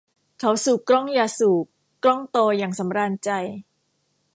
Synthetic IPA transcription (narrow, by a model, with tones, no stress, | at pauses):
kʰa˩˦wsuː˨˩kːɾɔ˥˩ŋjaː˧suː˨˩k | kːɾɔ˥˩ŋt̪oː˧jaː˨˩ŋsa˩˦mɾaː˧nt͡ɕa˧j